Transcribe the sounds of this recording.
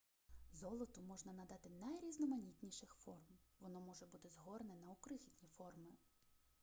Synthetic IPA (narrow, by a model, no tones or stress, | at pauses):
zɔlˠɔt̪ʊmɔʒnɐnɐd̪ɑt̪ɪnɐjɾʲiznɔmɐnʲit̪ʲnʲiʃɪxfɔrmʋɔnɔmɔʒɛbut̪ɪzɦɔrnɛnɐukɾɪɦʲitʲnʲifɔrmɪ